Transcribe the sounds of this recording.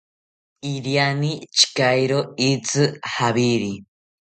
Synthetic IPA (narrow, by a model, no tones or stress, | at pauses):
iɾjanit͡ʃʰi̥kajɾoit͡sɨhaβiɾi